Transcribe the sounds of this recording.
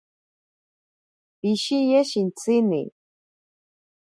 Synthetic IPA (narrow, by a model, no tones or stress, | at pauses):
piʃijeʃint͡sinḭ